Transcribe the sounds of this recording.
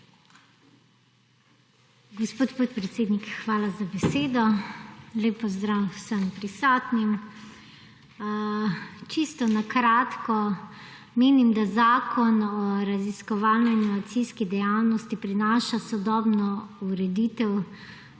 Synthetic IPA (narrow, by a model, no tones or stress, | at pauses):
ɡɔspoːt̪pot̪pɾɛt̪seːd̪nikxʋaːlazabɛseːd̪ɔ | leːpɔzd̪ɾawsəmpɾisɔːt̪nim | t͡ʃist̪ɔnakɾaːt̪kɔ | meːnimd̪azaːkʰɔnɔɾaziskɔʋaːlnjanjuak̚t̪siskid̪ɛjawnɔst̪ipɾinaːʃasɔd̪ɔːbnɔuɾɛd̪iːt̪ɛw